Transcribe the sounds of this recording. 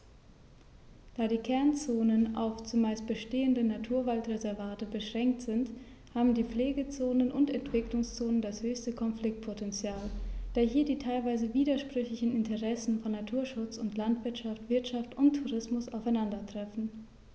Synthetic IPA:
d̥aːɾiːkʰɛɐnt͡soːnəna̰ʊft͡sʊmːaɪst̚b̥əʃteːəndənatʰuːɐvaltʁɛzɛɐvaːtəbəʃʁ̥ɛŋk̚tz̥ɪnt | haːbm̩diːp͡fleːɡət͡soːnənʔʊntɛntv̥ɪklʊŋst͡soːnəndashøːçstəkʰɔnflɪk̚t̚pʰotɛnt͡sjaːld̥aːɐɦiːɐdiːtʰaɪlvaɪzəviːdɐʃpʁ̥ʏçlɪçn̩ɪntəʁɛsn̩fɔnːatʰuːɐʃʊt͡sʊntlantv̥ɪɐtʃaftv̥ɪɐtʃaftʊntʰːuʁɪsmʊsʔa̰ʊfaɪnandɐtʁ̥ɛfn̩

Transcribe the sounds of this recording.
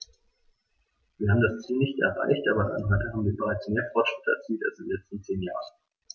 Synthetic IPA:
viːɐhaːbm̩dast͡siːlnɪçtʔɛ̰ɐʁa̰ɪçtʔaːbɐdaɪnɦɔʏtəhaːbm̩viːɐbəʁaɪt͡smeːɐfɔɐtʃʁ̥ɪtʰəɛ̰ɐt͡siːltalsdɪnlɛt͡stn̩t͡seːnja̰ːʁən

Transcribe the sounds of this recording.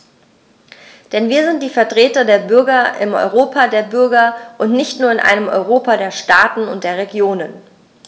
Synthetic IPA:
d̥ɛnviːɐzɪnt̚d̥iːfɛɐtʁ̥eːtɐdeːɐbʏɐɡɐʔɪ̰mʔɔ̰ʏʁ̞oːpʰadeːɐbʏɐɡɐʔʊntnɪçtnuːɐɪnʔa̰ɪnəmʔɔ̰ʏʁ̞oːpadeːɐʃtaːtn̩ʊ̰ntd̥eːɐʁ̞eɡjoːnən

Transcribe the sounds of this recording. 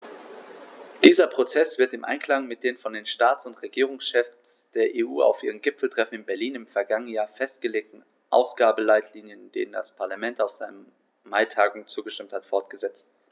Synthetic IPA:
d̥iːzɐpʁ̥ot͡sɛsv̥ɪɐtɪmʔa̰ɪnkl̥aŋmɪt̚d̥eːnfɔndeːnʃtaːt͡sʊntʁeɡiːʁ̞ʊŋsʃɛfs | d̥eːɐʔeːʔṵːa̰ʊfʔiːʁ̞əmɡɪpfl̩tʁ̥ɛfn̩ɪnbɛɐliːnɪmfɛɐɡaŋənən̩jaːɐfɛst̚ɡ̥əleːk̚tn̩ | ʔa̰ʊsɡ̥aːbəlaɪtʰliːnjənd̥ḛːnənda̰spʰaɐlamɛntaʊfz̥aɪnə | maɪtʰaːɡʊŋt͡suːɡəʃtɪmthatfɔɐtɡ̥əzɛt͡st

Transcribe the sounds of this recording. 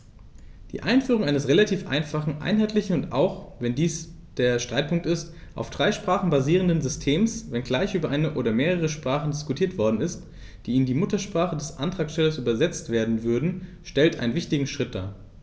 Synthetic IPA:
d̥ḭːʔaɪnfyːʁ̞ʊŋʔaɪnəsʁelatʰiːfʔa̰ɪnfaχn̩ʔa̰ɪnɦaɪtʰlɪçn̩ʊnta̰ʊxvɛndiːs | d̥eːɐʃtʁ̥aɪt̚pʊŋk̚tɪstʔa̰ʊfd̥ʁaɪʃpʁ̥aːχn̩baziːʁəndənzʏstʰeːmsvɛnɡlaɪçʔyːbɐʔaɪnəʔoːɾɐmeːʁ̞əʁ̞əʃpʁ̥aːχn̩dɪskutʰiːɐtv̥ɔɐdn̩ɪst | d̥iːɪndiːmʊtɐʃpʁ̥aːχədɛsʔa̰ntʁ̥aːksʃtɛlɐsʔyːbɐzɛt͡stv̥eːɐdn̩vʏɐdn̩ʃtɛltʔa̰ɪnənvɪçtɪɡŋ̩ʃʁ̥ɪt̚d̥a̰ː

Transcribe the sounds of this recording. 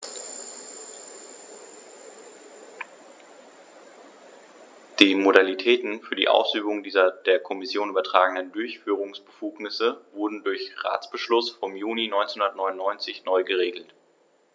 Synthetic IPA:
d̥iːmodalitʰɛːtn̩fyːɐdḭːʔa̰ʊsʔyːbʊŋdiːzɐdeːɐkʰɔmɪsjoːnʔyːbɐtʁ̥aːɡŋ̩dəndʊɐçfyːʁ̞ʊŋsb̥əfuːknɪsəvʊɐdn̩dʊɐçʁa̰ːt͡sb̥əʃlʊsfɔmjuːninɔʏnt͡snhʊ̃ndɐətnɔʏnʊnːɔʏnt͡sɪçnɔʏɡəʁeːɡl̩t

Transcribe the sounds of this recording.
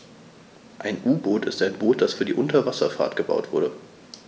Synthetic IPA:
ʔaɪnʔuːboːtɪstaɪnboːt̚d̥asfyːɐdiːʔʊntɐvasɐ̰fa̰ɐtɡ̥əba̰ʊtv̥ʊɐɾə

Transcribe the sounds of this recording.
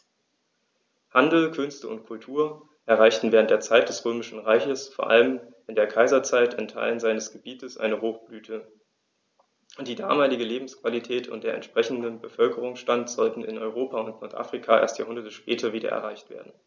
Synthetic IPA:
handl̩kʰʏnstəʊ̰ntkʰʊltʰuːɐ | ʔɛɐʁaɪçtn̩vɛːʁntd̥eːɐt͡saɪt̚d̥ɛsʁøːmɪʃn̩ʁaɪçəsfoːɐʔa̰ləm | ʔɪndeːɐkʰaɪzɐt͡saɪtʰɪntʰa̰ɪlənzaɪnəsɡ̥əbiːtəsʔa̰ɪnəɦoːxb̥lyːtʰə | ʊntd̥iːda̰ːmaːlɪɡəleːbm̩skv̥alitʰɛːtʰʊ̰nt̚d̥eːɐʔɛ̰ntʃpʁ̥ɛçn̩dənbəfœlkəʁ̞ʊŋsʃtantz̥ɔltn̩ɪ̰nɔʏʁ̞oːpʰaʊntnɔɐtʔa̰fʁ̥ikʰaʔḛɐstjaːhʊndɐtəʃpɛːtʰɐviːdɐ̰ʔɛ̰ɐʁaɪçtv̥ḛːɐdn̩

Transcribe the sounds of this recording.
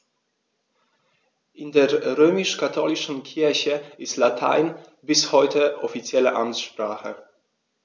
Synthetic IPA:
ʔɪndeːɐʁøːmɪʃkʰatʰoːlɪʃn̩kʰɪɐçəʔɪstlatʰa̰ɪn | bɪshɔʏtəʔɔfit͡sjɛlə̰ʔa̰mtʃpʁ̥aːχə̰

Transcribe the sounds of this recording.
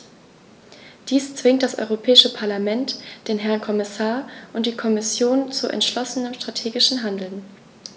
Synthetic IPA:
d̥iːst͡sv̥ɪŋtd̥asʔɔ̰ʏʁopʰɛːɪʃəpʰaɐlamɛntd̥eːnɦɛɐnkʰɔmɪsaːɐʔʊntd̥iːkʰɔmɪsjoːnt͡suʔɛ̰ntʃlɔsənəmʃtʁ̥atʰeːɡɪʃn̩ɦandl̩n

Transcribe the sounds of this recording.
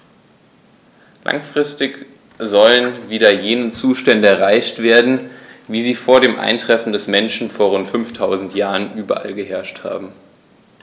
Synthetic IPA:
lʔa̰ŋfʁ̥ɪstɪç | zɔlənviːdɐjeːnət͡suːʃtɛndəɛɐʁ̞aɪçtv̥eːɐdn̩viːziːfoːɐɾeːmʔa̰ɪntʁ̥ɛfn̩dɛsmɛnʃn̩foːɐʁʊntfʏnftʰaʊzn̩tjaːʁənʔyːbɐʔa̰lɡəɦɛɐʃtha̰ːbm̩

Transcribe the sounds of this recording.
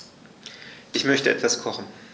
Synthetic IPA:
ʔɪçmœçtəʔɛtv̥askʰɔχn̩

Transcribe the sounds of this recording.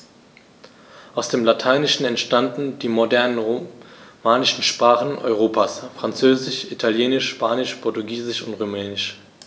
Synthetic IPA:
ʔaʊsd̥eːmlatʰaɪnɪʃn̩ɛntʃtandn̩diːmodɛɐnən | maːlɪʃn̩ʃpʁ̥aːχn̩ʔɔ̰ʏʁ̞oːpʰaːsfʁ̥ant͡søːzɪʃʔitʰaljeːnɪʃʃpaːnɪʃpʰɔɐtuɡiːzɪʃʊntʁumɛːnɪʃ

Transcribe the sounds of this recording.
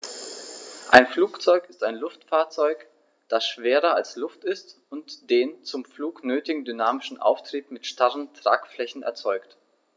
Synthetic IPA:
ʔaɪnfluːkt͡sɔʏkɪstaɪnlʊftfaːɐt͡sɔʏk | d̥asʃv̥eːʁɐalslʊftɪst | ʊntd̥eːnt͡sʊmfluːknøːtɪɡŋ̩dynaːmɪʃn̩ʔa̰ʊftʁ̥iːpmɪtʃtaʁəntʁ̥a̰ːkflɛçn̩ɛ̰ɐt͡sɔʏkt

